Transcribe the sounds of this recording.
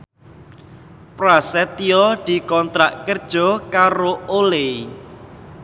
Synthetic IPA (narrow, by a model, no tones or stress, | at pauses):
pɾasɛt̪iɔd̪̥i̤kɔnt̪ɾaʔkərd̥ʒ̥ɔ̤kaɾoole